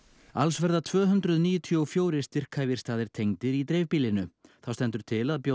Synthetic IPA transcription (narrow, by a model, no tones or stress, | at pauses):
alsvɛɾðat̪ʰvœːɦʏnt̪ɾʏðniːjʏt̪ʰiɔfjoːwɾɪ̥st̪ɪr̥kʰavjɪ̥st̪aːðɪɾ̥t̪ʰejŋt̪ɪɾit̪ɾɛːvpiːlɪnʏθawst̪ɛnt̪ʏɾ̥t̪ʰɪlaðpjo